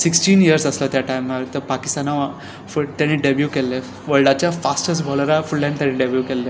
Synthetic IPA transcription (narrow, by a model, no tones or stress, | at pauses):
siksʈiːniəɾsəslat̪jaʈajmːəɾt̪əɾpakist̪anaʋ | fut̪enĩʈɖebjukelːe | ʋəɭɖat͡ɕjafasʈəsbʱɔlɾafuɭlɛ̃ɳɖʈ̪ẽnĩɖebjukelːe